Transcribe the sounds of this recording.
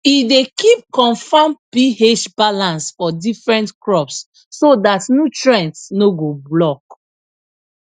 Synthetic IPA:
idekip̚kɔ̃nfãmpiheʃbalãnsfɔdifɹɛ̃ntkɹɔpsː | odatnjutɹɛ̃ntsnoɡoblɔk

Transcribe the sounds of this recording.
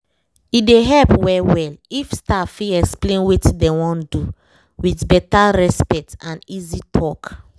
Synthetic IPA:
ideɦɛlpwɛwɛlifstafiɛksplẽnwetdɛwɔ̃ndu | witbɛtaɹɛspɛk̚tãnizitʰɔk

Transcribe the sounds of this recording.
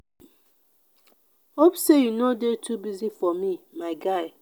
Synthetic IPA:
obsejunodetʰubizifɔmimaɪɡaɪ

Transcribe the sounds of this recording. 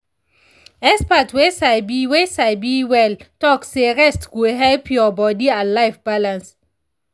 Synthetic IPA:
ɛspatʰwesabiwesaɪbiwɛltɔkseɹɛstɡuɦɛlpʰjɔbɔdiãnlaɪfbalãns

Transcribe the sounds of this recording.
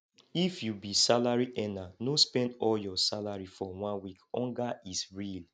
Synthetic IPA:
ifjubisalaɹiʔɛnanospɛ̃ndɔljɔsalaɹifɔwãnwikɔ̃ŋɡaisɹil

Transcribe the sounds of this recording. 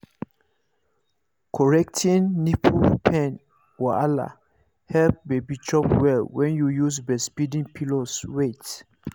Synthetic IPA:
kʰɔɹɛk̚tʰĩnːipʰupʰɛ̃n | wɔala̰ | hɛlp̚bebit͡ʃɔpwɛlwɛ̃njujusbɛspidĩŋpʰiloswet

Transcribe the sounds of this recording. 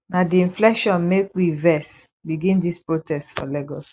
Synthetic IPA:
nadiĩnflɛkʃɔ̃nmekwivɛsbiɡĩndispɹotɛstfɔ̰lɛɡɔs

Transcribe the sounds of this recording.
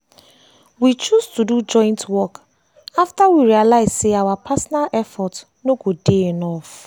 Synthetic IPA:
wit͡ʃustudud͡ʒɔ̃ɪ̃ntwɔk | aftawiɹialaɪzseawapʰasɔnalʔɛfɔt | noɡodeenɔf

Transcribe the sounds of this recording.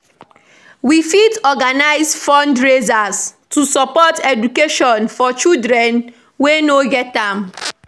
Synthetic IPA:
wifitɔɡanaɪzfɔ̃ndɹezastusɔpɔtɛd͡ʒukeʃɔ̃nfɔt͡ʃidɾɛ̃n | wenoɡɛt̚ãm

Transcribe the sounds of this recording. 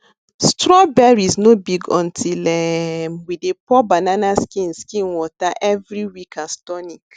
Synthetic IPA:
stɾɔbɛɹiznobiɡɔ̰̃ntʰilɛwidepɔbananaskĩnskĩnwɔtaʔɛvɾiwikastɔnik

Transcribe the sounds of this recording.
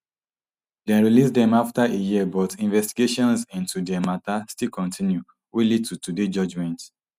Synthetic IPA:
dɛ̃nɹilisdɛ̃maftaejiəbɔtĩnvɛstiɡeʃɔ̃nsĩntudɛmatastilkɔ̃ntʰĩnju | wilid̚tutuded͡ʒɔd͡ʒmɛ̃nt

